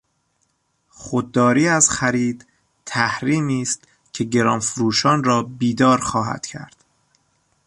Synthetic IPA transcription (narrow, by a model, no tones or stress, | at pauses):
xod̪̚ːɒːɾiːæzxæɾiːd̪ | t̪ʰːæhɾiːmiːst̪ | cʰe̞ɟe̞ɾɒːnfɾuːʃɒːnɾɒːbiːd̪ɒːɾxɒːɦæ̰d̪̥cʰæ̰ɾd̪̥